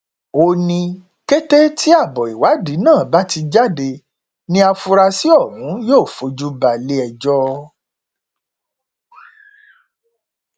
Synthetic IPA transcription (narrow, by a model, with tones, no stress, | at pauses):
o˧nĩ˧ | ke˦te˦tʰi˦a˦˨bɔ˨i˨wa˨˦di˨˦nãː˦˨ba˦ti˧d͡ʒa˦de˧ | nĩ˦a˧fu˧ɾa˧si˦ɔ˦˨ɾũ˨˦joː˦˨fo˨˧˦d͡ʒu˦ba˧˨le˦ɛ˧d͡ʒɔ˦